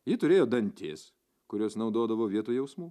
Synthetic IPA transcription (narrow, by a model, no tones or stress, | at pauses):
jɪt̪ʊɾʲeːjoːd̪ɐnʲt̪ʲeːs | kʊɾʲoːsnɐʊd̪oːd̪ɐʋoːʋʲiɛt̪uːjɛʊsmuː